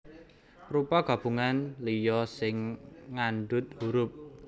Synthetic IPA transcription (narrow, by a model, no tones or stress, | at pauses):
rupaɡ̥a̤b̥ṳŋanlijɔsɪŋːanɖʊt̪̚huɾʊp̚